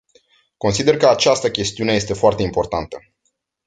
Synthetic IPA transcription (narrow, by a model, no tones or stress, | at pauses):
ko̞nsid̪e̞rkəat͡ʃast̪əkʲe̞st̪iune̞je̞st̪e̞foart̪e̞impo̞rt̪ant̪ə